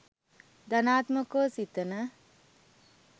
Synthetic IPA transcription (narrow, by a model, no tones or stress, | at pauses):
d̪anaːt̪məkoːsit̪ənə